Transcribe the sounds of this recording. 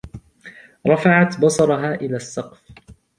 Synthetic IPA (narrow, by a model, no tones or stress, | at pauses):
ɾˤɑfaʕat̪bɑsˤɑɾˤɑɦaːʔɪlaːsːɑqf